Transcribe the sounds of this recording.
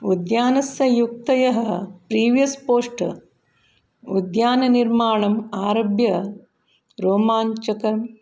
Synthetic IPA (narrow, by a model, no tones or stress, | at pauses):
ud̪jaːnɐsjɐjuk̚t̪ɐjɐɦɐpɾiːʋjɐspoːʂʈ | ud̪jaːnɐniɾmaːɳɐmaːɾobʱjɐ | ɾoːmaːɲt͡ʃɐkɐɾm